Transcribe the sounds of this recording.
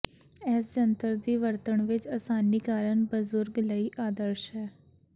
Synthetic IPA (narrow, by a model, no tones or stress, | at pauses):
ɛːsd͡ʒənt̪əɾd̪iːʋəɾt̪əɳʋɪt͡ʃaːsaːniːkaːɾəɳbəzʊɾɡlaːiːʔaːd̪əɾʃɦɛː